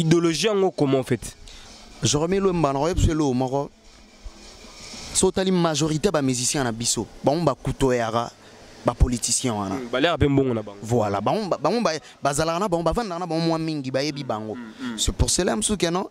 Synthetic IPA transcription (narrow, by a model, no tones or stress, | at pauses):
idoloʒijaŋɡokomɔ̃fɛt | ʒɔ̃melembanaojebselomɔkɔ | sootalimaʒoʁitebamizisɛ̃nabisobaŋobakutojaka | bapolitisjɛ̃wana̰balakapem̩boŋɡonaaŋvwala̰baŋobaŋɡoba | bazalakanabaŋɡobavandkanabaŋomwamiŋɡibajebibaŋɡosepuselɛm̩sukɛnɔ̃